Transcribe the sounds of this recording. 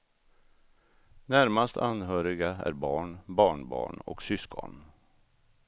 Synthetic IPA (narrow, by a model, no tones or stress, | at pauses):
næɾmast̪ʰanɦœːɾɪɡaæ̰ɾbɑːɳbɑːɳbɑ̰ːɳɔ̰ksʏskʰɔ̰n